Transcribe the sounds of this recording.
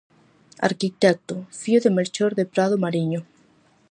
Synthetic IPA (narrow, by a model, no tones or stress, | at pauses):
a̰ɾkit̪ɛk̚t̪ofioðemeɾt͡ʃoɾðepɾað̞omaɾiɲo